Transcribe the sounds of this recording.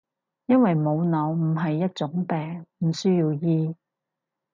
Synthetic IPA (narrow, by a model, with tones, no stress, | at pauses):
jɐ˥nwɐ˨jmo˨˧wnɐ˨˧wm̩˨˩ɦɐ˨jːɐ˥t̚t͡sʊ˨˥ŋpɛː˨ŋm̩˨˩sɵː˥jiː˧wjiː˧